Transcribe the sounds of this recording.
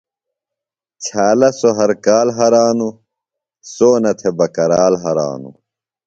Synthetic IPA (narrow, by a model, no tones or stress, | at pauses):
t͡ɕʰaːlɐsoɦɐɾkaːlɦɐɾaːnu | soːnɐt̪ʰebɐkɐɾaːlɦɐɾa̰ːnṵ